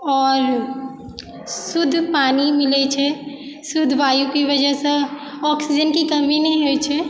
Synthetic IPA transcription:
ɔːɾ | sud̪ʱːpanimilɛt͡ʃʰɛ | sud̪ʱːʋajukeβəd͡ʒɛsə̃ɔksid͡ʒənkikəminɛɦojt͡ʃʰɛ

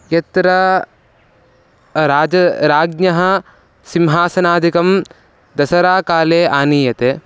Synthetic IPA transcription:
jɐt̪ɾɐ | ɾaːd͡ʒɐɾaːɡnɐɦɐ̆ | simɦaːsɐnaːd̪ʱikɐm | d̪ɐsɐɾaːkaːleːʔaːniːjɐt̪eː

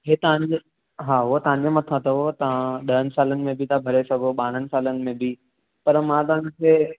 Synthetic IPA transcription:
ɦet̪ɐʋə̃ɲd͡ʑ | ɦaːɦʊɦot̪ɐʋãɲd͡ʑemãt̪ʰãt̪ɐɦot̪ɐãɗɐɦənɪ̆saːlənɪ̆mẽbʱit̪ʰãbʱɐɾesɐɡʱoɓaːɽ̤̃ənɪ̆saːlənɪ̆mẽbʱi | pɐɾmãt̪ɐɦə̃ɲkʰeː

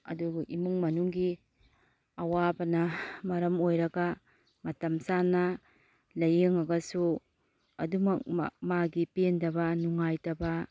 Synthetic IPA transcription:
ɐ̰duɡʔimuŋmɐnuŋɡi | ɐwabɐnɐmɐɾɐmojɾɐɡɐ | mɐtɐmsanːɐ | lɐjeŋɐɡɐsu | ɐ̰dumɐk̚maɡipendɐbɐnuŋajtɐbɐ

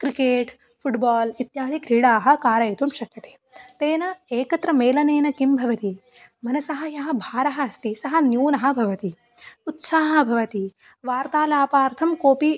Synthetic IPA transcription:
kɾikeːʈ | pʰuʈbaːlit̪jaːd̪ikɾiːɽaːɦɐ̆kaːɾɐjit̪umʃɐkːɐt̪e̥ː | t̪eːnɐeːkɐt̪ɾɐmeːlɐneːnɐkimbʱɐʋɐt̪i | mɐnɐsɐɦɐjɐɦɐ̆bʱaːɾɐɦɐɐst̪isɐɦɐ̆njuːnɐɦɐ̆bʱɐʋɐt̪i | ut̪saːɦɐ̆bʱɐʋɐt̪i | ʋaːɾt̪aːlaːpaːɾt̪ʰɐmkoːpi

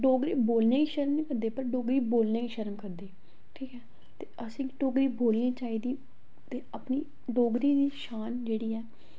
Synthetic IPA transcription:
ɖoːɡɾiːboːlneːiːʃəɾmnĩːkəɾd̪eːpəɾɖoːɡɾiːboːlneːiːʃəɾəmkəɾd̪eː | ʈʰiːkɛː | t̪eːʔəsĩːɖoːɡɾiːboːlniːt͡ʃaːiːd̪iː | t̪eːəpniː | ɖoːɡɾiːd̪iːʃaːnd͡ʒeːɽiːɛː

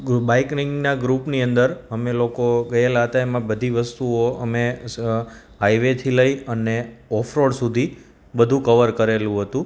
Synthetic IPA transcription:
baiknɪŋɡnaɡɾupniənd̪əɾɦəmelokoɡəjelaɦət̪aemãbəd̪ʱiʋəst̪uoəme | ɦaiʋet̪ʰiləiəneɔfʰɾoɽsud̪ʱi | bəd̪ʱũkəʋəɾkəɾelũɦət̪ũ

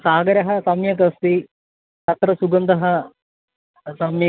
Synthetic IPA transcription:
saːɡɐɾɐɦɐsɐmjɐk̬ɐst̪i | t̪ɐt̪ɾɐsuɡɐnd̪ɐɦɐ | sɐmjɐ

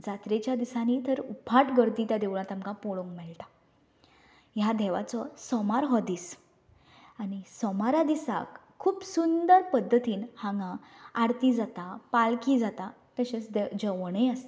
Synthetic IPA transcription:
d͡zat̪ɾet͡ɕjad̪isaniːt̪əɾupʰaʈɡəɾt̪iːt̪jad̪eʋɭ̃ãt̪amkãpoɭoŋɡmɛɭʈa | jad̪ʱɛʋa̰t͡sɔsɔmaɾɦɔd̪iːs | añisɔmaɾad̪isa̰kʰːuːpsund̪əɾpəd̪ʱːət̪iːnhãŋɡãaɽt̪iːd͡zat̪apalkiːd͡zat̪a | t̪əɕet͡sd̪d͡ʑəʋɳeəst̪

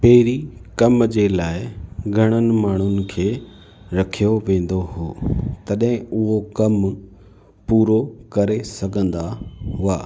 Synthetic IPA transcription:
pɐɦɪɾikɐmd͡ʑeːlaːɪɡʱɐɽ̃ənɪ̆maːɳ̤ʊnɪ̆kʰeː | ɾɐkʰijoʋẽːn̆d̪oɦoːt̪ɐɗɦɪ̃ʊɦokɐm | puːɾokɐɾesɐɡʱə̃nd̪aɦʊa̰ː

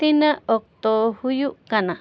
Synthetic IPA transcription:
t̪inãok̚t̪ohujuʔkanã

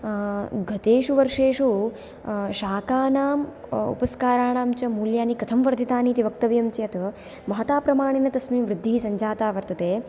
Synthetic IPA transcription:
ɡɐt̪eːʃuʋɐɾʂeːʃu | ʃaːkaːnaːmṵpɐskaːɾaːɳaːmt͡ʃɐmuːljaːnikɐt̪ʰɐmʋɐɾd̪ʱit̪aːniːt̪iʋɐk̚t̪ɐʋjɐmt͡ʃɐɐt̪ | mɐɦɐt̪aːpɾɐmaːɳ̃inɐt̪ɐsmiːmʋɾɪd̪ʱːiːsɐɲd͡ʒaːt̪aːʋɐɾt̪ɐt̪eː

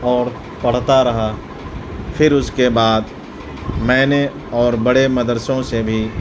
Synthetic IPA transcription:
ɔːɾ | pɐɽ̤t̪aɾɐɦa | fʰɪɾʊskebaːd̪ | mɛ̃ːne | ɔːɾbɐɽemɐd̪əɾsõsebʱi

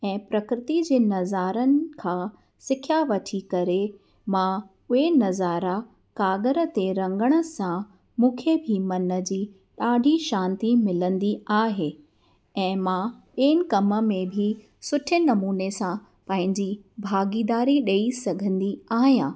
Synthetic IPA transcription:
ɛ̃ːpɾɐkɾɪt̪id͡ʑeːnɐzaːɾənɪ̆kʰãː | sɪkʰjaʋɐʈʰikɐɾe | mã | ʊɦenɐzaːɾa | kaːɡəɾət̪eɾɐ̃ŋɡəɽ̃ə̆sã | mũːkʰebʱimɐnə̆d͡ʑiː | ɗaːɖʱiʃãːnt̪imɪlə̃nd̪iaːɦeː | ɛ̃ːmãɓeːnɪ̆kɐmə̆mẽbʱɪ | sʊʈʰənɐmuːnesã | pɐ̃ɦɪ̃ɲd͡ʑibʱaːɡiːd̪aːɾiɗɐisɐɡʱə̃nd̪iaːɦijãː

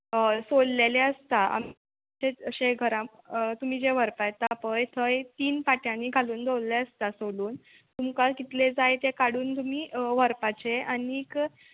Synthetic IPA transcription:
solleleəst̪aa̰m | t͡ɕeəɕeɡʱəɾã | t̪um̤iːd͡ʑeʋəɾpajt̪apəjt̪ʰəjt̪iːnpaʈjãniːɡʱaluːnd̪ʱowlleəst̪asoluːn | t̪umkakit̪led͡zajt̪ekaɽuːnt̪um̤iːʋəɾpat͡ɕeəniːk

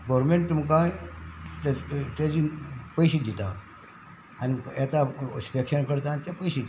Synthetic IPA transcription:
ɡɔɾmeɳʈːməkãjt̪et̪ad͡ʑipəjɕiʈd͡ʑit̪a | aniɛt̪aspekɕənkəɾt̪anit̪japəjɕit̪

